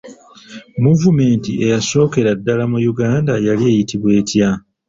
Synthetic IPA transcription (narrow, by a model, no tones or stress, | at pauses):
muvume̞ːntie̞jaso̞ːke̞ɾadːalamujuɡaːndajalie̞ːjitiβwe̞ːtja